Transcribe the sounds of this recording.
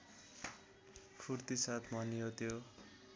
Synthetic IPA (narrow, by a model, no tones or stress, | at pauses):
pʰurt̪isat̪ʰmʌnijot̪ʰjo